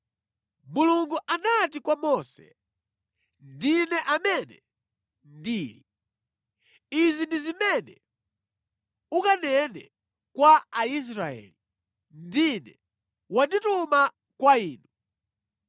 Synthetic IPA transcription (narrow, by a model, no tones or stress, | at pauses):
muluŋɡuʔanatikwamɔsɛ̰ | ndinɛʔamɛnɛ | ndiːli | izindizimɛnɛ̰ | ukanɛnɛ̰ | kwaːis̬ɾaɛ̰ːli | ndinɛ | wandituma | kwaiːnu